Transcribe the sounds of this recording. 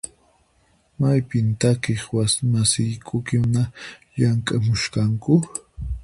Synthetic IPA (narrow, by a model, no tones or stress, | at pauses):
majpɪnt̪akɪχwasmasɪjkʼʊkɪnaʎaŋkʼamʊʃkaŋkʊ